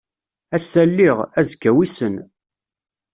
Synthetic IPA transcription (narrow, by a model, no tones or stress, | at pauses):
æsælːiʁæzɡæwisən